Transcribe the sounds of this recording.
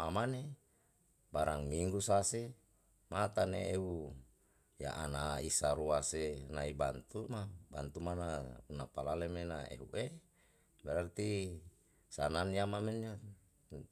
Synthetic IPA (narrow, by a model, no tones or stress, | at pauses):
amane | baɾaŋmiŋɡusase | mat̪anḛeu | ja̰ʔanaisaɾuasenaibant̪umaba̰nt̪umanaunapalalemenaḛɦṵʔe | beɾart̪i | sananjamameno